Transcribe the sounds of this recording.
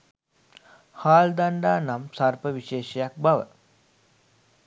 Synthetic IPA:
haːld̪aɳɖaːnamsaɾpəʋiʃeːʃɐjak̚baʋə̰

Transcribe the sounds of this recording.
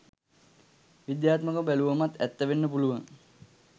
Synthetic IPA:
ʋid̪jaːt̪məkəbæluʋamat̪æ̰t̪ːəʋenːəpuluʋaŋ

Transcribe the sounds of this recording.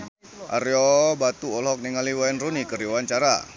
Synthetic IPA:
ʔa̰ɾjɔbat̪uɔlɦɔk̚niŋaliwaɛnrunikəɾiwant͡ʃaɾa̰

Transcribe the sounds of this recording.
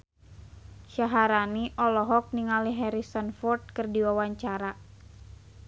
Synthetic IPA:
ʃaɦaɾaniʔɔlɔɦɔk̚niŋaliɦɛɾisənfɔrt̪̚kɨrdiwawaɲt͡ʃaɾa

